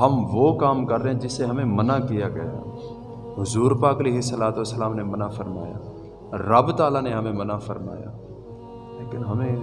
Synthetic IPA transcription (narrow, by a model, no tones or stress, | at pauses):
ɦɐmʋokaːmkɐɾːeɦɛ̃d͡ʒɪseɦɐmẽmɐnakijaɡɐ̰ja̰ː | ɦʊzuːɾpaːkɐleːɦɪsːəlaːt̪uəsːəlaːmnemɐnafɐɾma̰ːja̰ː | ɾɐbt̪aːlaneɦɐmẽmɐnafɐɾma̰ːja̰ː | leːkɪnɦɐmẽ